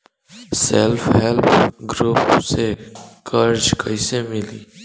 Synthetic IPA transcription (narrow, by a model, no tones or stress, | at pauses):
selfɦelpʰɡɾupsekʰəɾd͡ʒkʰəjsemiliː